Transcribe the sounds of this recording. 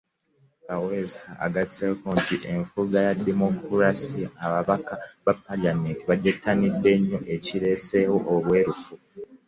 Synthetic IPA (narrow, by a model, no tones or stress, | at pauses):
kawesaa̰ɡasekoːntiʔeɱfuɡajadːemokuɾasiaβaβakaβapːalameːntiβaɟatːanidːe̞ɲːo̞ʔe̞ciɾe̞se̞woʔoβwe̞ːɾufu